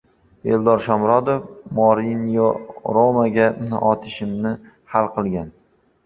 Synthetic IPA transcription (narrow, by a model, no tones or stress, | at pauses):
eld̪ɒɾʃɒmɾɒd̪ofmɒɾinjoɾomaɡʲanɪ̰ʔɒt̪ʰɪʃɪmnɪ | halˠqʰɨlˠɡʲan